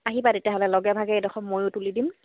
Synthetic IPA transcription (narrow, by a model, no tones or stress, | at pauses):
aɦibatetijaɦɔlɛlɔɡɛbʱaɡɛedɔxɔmmojʊtulidim